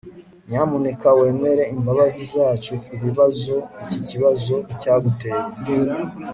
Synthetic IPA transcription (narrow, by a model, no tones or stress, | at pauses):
ɲamone̞kawe̞ːme̞ɾe̞imbaβazizjaːt͡ʃukuβiβazo̞iciciβazo̞caːɡuteɾ